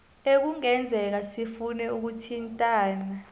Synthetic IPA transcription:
ek̬uŋɛnd͡zʱɛk̬asifunɛuk̬utʰintʼaːna

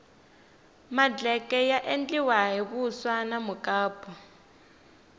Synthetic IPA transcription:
mad͡ɮɛkɛjaʔend͡ɮiwaɦiβuswanamukʼaːpʰʼɔ

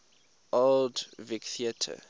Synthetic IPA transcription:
ʔoldvikθiətʰə̰

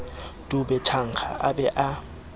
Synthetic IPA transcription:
tʼʊbɛt͡ʃʰaŋ̩k͡xʰa̰ʔabɛʔa

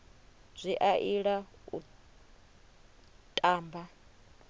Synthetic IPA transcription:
b͡ʐʷiʔaʔiɺaṵ | tʼaːmba

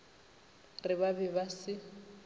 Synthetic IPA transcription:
rɪβabɛbasɪ

